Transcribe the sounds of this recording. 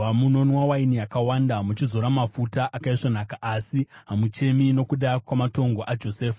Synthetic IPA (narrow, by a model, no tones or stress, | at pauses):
amuno̞nwawainijakawandamut͡ʃizoɾamafutaʔakaiʐonakaʔasi | ɦamut͡ʃe̞mino̞kuɗakwamato̞ŋɡo̞ʔad͡ʒo̞seːfḁ